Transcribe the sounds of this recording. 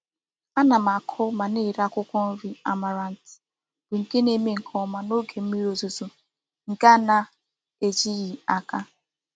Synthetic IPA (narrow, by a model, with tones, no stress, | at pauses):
a˦na˨ma˨kʰʊ˦ma˨ne˦˨ɾa˦kʷʊ˦kʷɔ˦n̩˦ɾi˨a˨ma˨ɾa˨n̩˨tɪ̥˨ | b̥ʊ˨ŋ̩˨ke˦ne˦me˦˨ŋ̩˨kʰɔ˦ma˨no˦ɡe˨m̩˦mi˦ɾo˨zu˨zu˨ | ŋ̩˨ka˦na˨ | e˨d͡ʒi˦ɣi˨a˨ka˦